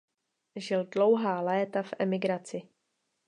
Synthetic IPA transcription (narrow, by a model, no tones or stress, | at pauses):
ʒɪldlowɦaːlɛːt̪afʔɛmɪɡɾat͡sɪ